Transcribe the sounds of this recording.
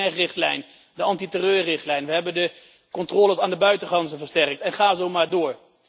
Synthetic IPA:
ɛrɪχtlɛ̰jn | dəɑntitərøːrɪχtlɛjnʋəɦɛbəndə | kɔntrɔːlˠəsaːndəbœɥtəχɑnzəvəɹstɛrk̚tɛnχaːzowmaːɹdʊːɹ

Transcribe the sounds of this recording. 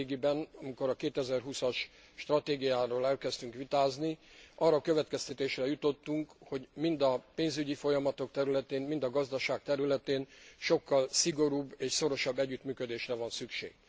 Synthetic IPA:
ɡibɛnɒmiko̞ɾɒkeːt̪ɛzɛrɦusɒʃ | ʃt̪rɒt̪eːɡijaːɾoːlɛlkɛst̪yŋkʋit̪aːzniʔɒrːɒkøvɛt̪kɛst̪ɛt̪eːʃrɛjut̪o̞t̪ːuŋkho̞ɟmind̪ɒpeːnzyɟifo̞jɒmɒt̪o̞k̚t̪ɛɾylɛt̪eːnmind̪ɒɡɒzd̪ɒʃaːk̚t̪ɛɾylɛt̪eːnʃo̞kːɒlsiɡo̞ɾuːbːeːʃso̞ɾo̞ʃɒbːɛɟːyt̪myːkød̪eːʃrɛvɒnsykʃḛːɡ̥

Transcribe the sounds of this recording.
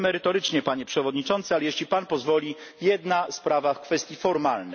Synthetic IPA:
mɛɾɘt̪ɔɾɘt͡ʂɲɛpaɲɛpʂɛvɔd̪ɲit͡ʂɔnt̪sɨalɛjɛɕlʲipanpɔzvɔlʲi | jɛd̪naspɾavafkfɛst̪ʲjifɔɾmalnɛ

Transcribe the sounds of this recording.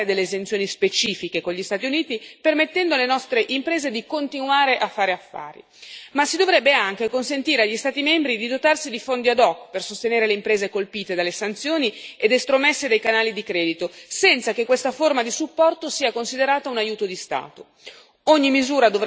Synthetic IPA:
ed̪elːeːzent̪sjoːnispet͡ʃiːfikekoʎist̪aːt̪̬iuniːt̪ipermet̪ːɛnd̪olenɔst̪ɾeʔimpɾeːzed̪ikont̪inuaːɾeʔafːaːɾeafːa̰ːɾḭ | masːid̪ovɾɛbːeaŋk̟ekonsent̪iːɾeaʎːist̪aːt̪imɛmbɾid̪id̪ot̪arsid̪ifond̪iad̪ɔkːpersost̪eneːɾeleimpɾeːzekolpiːt̪ed̪alːesant̪sjoːnied̪est̪ɾomesːed̪ejkanaːlid̪ikɾɛːd̪it̪osɛnt̪sakekːwest̪aformad̪isupːɔrt̪osiːakonsid̪eɾaːt̪aunajuːt̪od̪ist̪a̰ːt̪o | oɲːimizuːɾad̪ov

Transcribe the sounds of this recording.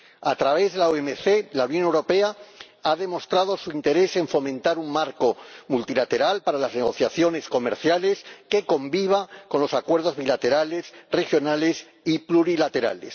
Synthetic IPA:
at̪ɾaβ̞e̞zðe̞laoemeθe̞launjonewɾo̞pe̞a | aðe̞mo̞st̪ɾað̞o̞suint̪e̞ɾe̞se̞ɱfo̞mẽnt̪aɾuŋmaɾko̞mult̪ilat̪e̞ɾalpaɾalazneɣ̞o̞θjaθjo̞ne̞sko̞meɾθjale̞ske̞ko̞mbiβ̞akonlo̞sakwe̞ɾð̞o̞zβilat̪e̞ɾale̞sre̞xjo̞nale̞s | ipluɾilat̪e̞ɾa̰le̞̰s

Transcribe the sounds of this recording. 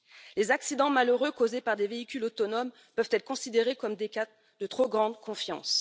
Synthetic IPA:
lezaksid̪ɑ̃maløʁøkozepaʁd̪eveikʲylot̪ɔnɔm | pœv̥t̪ɛt̪χəkɔ̃sid̪eʁekɔmd̪eka | d̪̥ət̪χoɡʁɑ̃d̪kɔ̃fjɑ̰̃s

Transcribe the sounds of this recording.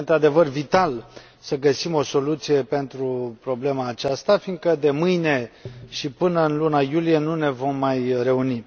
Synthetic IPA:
nt̪ɾad̪e̞vərvit̪al | səɡəsimo̞so̞lut̪sije̞pe̞nt̪ɾupɾo̞ble̞maːt͡ʃast̪afind̪̚kəd̪e̞mɨjne̞ʃipɨnəɨnlunajulije̞nune̞vo̞mːajɾe̞uni

